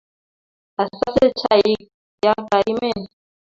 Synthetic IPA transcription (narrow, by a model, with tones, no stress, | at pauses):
a˨sa˦se˦t͡ʃʰa˦i˦ | ja˦ka˨ʔi˦mɛ˦˨n˨